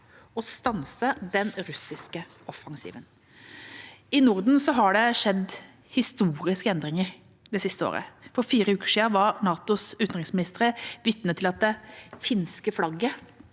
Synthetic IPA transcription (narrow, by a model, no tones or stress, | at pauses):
ɔst̪ɑnsəd̪ɛnɾʉsɪskə | ɔfːɑŋsḭːʋən | ɪnʊɾd̪n̩sɔɦɑɖɛʂɛd̪ | hɪst̪uːɾɪskəɛnd̪ɾɪŋəɾ | d̪ɛsɪst̪əo̰ːɾə̰fɔɾfiːɾəʉːkə̥ʂiːɑʋɑɾnɑːt̪ʊsʉːt̪nʁɪŋsmɪnɪst̪əɾəʋɪt̪nət̪ʰːɪlɑt̪̚d̪ɛfɪnskəflɑɡə